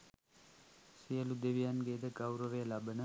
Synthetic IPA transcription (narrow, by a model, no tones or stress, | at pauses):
sijɐlud̪eʋijaːnɡeːd̪ɐkɐwɾoʋelabɐnɐ